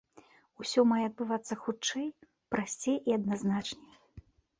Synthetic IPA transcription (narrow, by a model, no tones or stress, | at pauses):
usʲɔmajɛɐd̪̚bɨvat̪sːɐxut͡ʂɛj | pɾasʲt͡sʲejʔiɐd̪naznat͡ʂnʲɛj